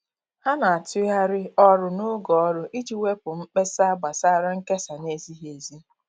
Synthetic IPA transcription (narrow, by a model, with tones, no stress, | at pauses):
ha˦na˨a˨tʊ˦a˦ɾɪ˦ɔ˦ɾʊ˨nʊ˦ɡɔ˨ɔ˦ɾʊ˦ʔi˦d͡ʒi˦we˦pʊ˨ŋ͡m̩˦k͡pe˦sa˦ɡ͡ba˨sa˦ɾa˦ŋ̩˦ke˦sa˨ne˦zi˦ɦe˨zi˦